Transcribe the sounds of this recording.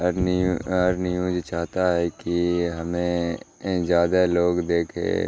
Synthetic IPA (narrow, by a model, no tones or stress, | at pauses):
əɾnɪjũːd͡ʒt͡ʃaːɦt̪aɦɛkiɦɐmẽ | d͡ʒjaːd̪aloːɡd̪eːkʰḛ̃ː